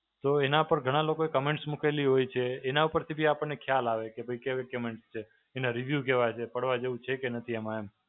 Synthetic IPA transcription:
t̪oenaupəɾɡʱəɽ̃alokoekəmẽɳʈsmukʰeliɦojt͡ʃʰeːnaupəɾt̪ʰibʱiapəɳnekʰjalaʋekebʱəjkeʋekəmeɳʈst͡ʃʰeː | nãɾiʋjuk̬eʋat͡ʃʰepəɽʋad͡ʒeʋũt͡ʃʰekenət̪ʰiəmaem

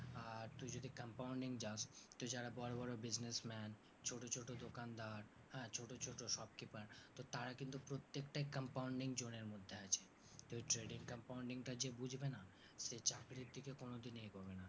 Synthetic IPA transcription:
aɾt̪ujd͡ʑod̪ʱikəmpawɳɖiŋd͡ʑast̪od͡ʑaɾabɔɾobɔɾobid͡ʑnesmɛn | t͡ɕʰoʈot͡ɕʰoʈod̪okand̪aɾ | hɛ̃t͡ɕʰoʈot͡ɕʰoʈoʃɔbkipaɾt̪ot̪aɾakint̪upɾot̪ːekʈaikəmpawuɳɖiŋd͡ʑoneɾmod̪ʱːeat͡ɕʰe | t̪ujʈɾeɖiŋkəmpawɳɖiŋʈad͡ʑebud͡ʑʱbena | ʃet͡ɕakɾiɾd̪ʱikekonod̪inejɡɔbena

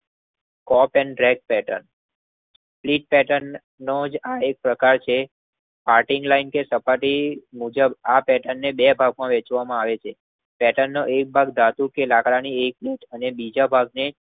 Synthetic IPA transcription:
kɔpɛnɖɾɛk̚pɛʈə̰n | s | pliʈ̚pɛʈənː | od͡ʒaek̚pɾəkaɾt͡ʃʰe | paɾʈiŋɡlainkesəpaʈimud͡ʒəbapɛʈənːebɛbʱaɡ̚mãʋet͡ʃʋamãaʋet͡ʃʰe | pɛʈənːoʔek̚bʱaɡd̪at̪ukelakɽañiek̚leʈʰənebid͡ʒabʱaɡne

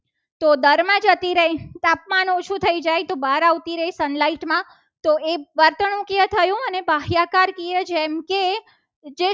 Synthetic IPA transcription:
t̪od̪əɾmãd͡ʒət̪iɾəɦit̪apmanot͡ʃʰũt̪ʰəid͡ʒajt̪obaɾaʋt̪iɾəɦisənlaiʈmã | t̪oeʋəɾt̪ənũkijət̪ʰəjũənebaɦjakaɾkied͡ʒɛmke | d͡ʒe

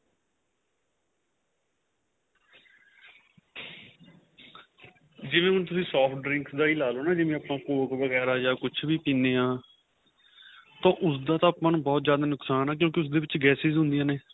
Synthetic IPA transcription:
d͡ʒɪʋẽːʊnt̪̬ʊsĩːsɔːpʈɖɾɪ̃ŋksd̪aːiːlaːloːnaːd͡ʒɪʋẽːapnãːkoːkʋəɡɛːɾaːd͡ʒaːkʊt͡ʃʰbiːpĩːneːɦãː | t̪ãːʔʊsd̪aːt̪ãːaːpãːnũːbɔːt̪zjaːd̪aːnʊksaːnaːk̬jõːk̬ɪʊs̬d̪eːʋɪt͡ʃɡɛːsɪzɦʊ̃nd̪ijãːneː

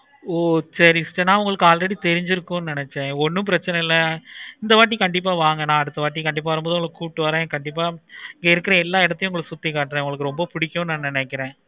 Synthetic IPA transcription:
oːsɐɾisʈːɐnːãːʊŋɡɐɭɯkːɯaːlɾɐɽit̪ɛɾɪɲd͡ʒɪɾɯkːʊ̃nɪnɛt͡ʃːẽɔnːɯ̃mpɪɾɐt͡ʃːɐnɛɪlːɐɪnd̪ɐʋaːʈ̬ːikɐɳɖɪp̬ːaːʋaːŋɡɐnãːɐɽɯt̪ːɐʋaːʈ̬ːikɐɳɖɪp̬ːaːʋɐɾɯmboːðɯʊɡɐɭkːɯkuːʈːɯʋaːɾẽːkɐɳɖɪpːaːɪŋɡɐɪɾɯkːɪɾɐɛlːaːɪɽɐt̪ːɐj̃ʊŋɡɐɭɯkːɯsʊt̪ːikːaːʈːɾẽʊŋɡɐɭɯkːɯɾɔmbɐpʊɽɪkːʊ̃nãːnɪnɛkːɪɾẽː

